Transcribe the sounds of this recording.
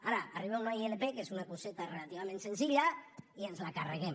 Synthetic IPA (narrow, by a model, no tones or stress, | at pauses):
aɾaːriβaumajelepekezɣunakoset̪arelat̪iβament̪se̞nsiʎaianslaka̰reɣem